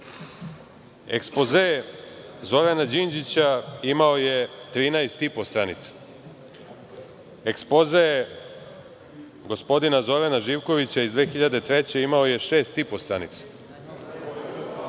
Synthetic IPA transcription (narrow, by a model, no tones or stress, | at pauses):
ḛkspo̞ze | zo̞ɾanad͡ʑind͡ʑit͡ɕaimaoje̞t̪ɾiːnaest̪ipo̞st̪ɾanit̪sḁ | ekspo̞ze | ɡo̞spo̞d̪inazo̞ɾanaʒiːʋko̞ʋit͡ɕaizd̪ʋe̞ːxiʎad̪e̞t̪ɾe̞t͡ɕe̞imao̞je̞ʃe̞ːst̪ipo̞st̪ɾanit̪sḁ